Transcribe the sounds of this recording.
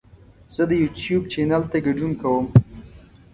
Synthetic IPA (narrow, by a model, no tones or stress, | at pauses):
z̥əd̪əjutjubt͡ʃenalt̪aɡaɖunkawəm